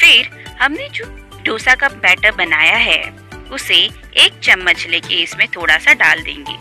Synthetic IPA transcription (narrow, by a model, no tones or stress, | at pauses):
fɪɾhɐmned͡ʒoː | ɖʱoːsakɐpbɛːʈəɾbɐnaːjaɦɛ̰ː | ʊse | eːk̚t͡ʃɐmːət͡ʃleːkeɪsmẽt̪ʰoːɽasaɖaːld̪ḛ̃ːŋɡḛː